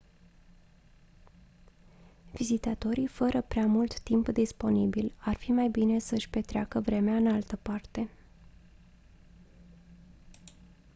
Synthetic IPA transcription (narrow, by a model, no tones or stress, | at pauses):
vizit̪at̪o̞ɾifəɾəpɾeamult̪ːimpd̪ispo̞nibilarfimajbine̞səɨʃʲpe̞t̪ɾeakəvɾe̞meaɨnalt̪əpart̪e̞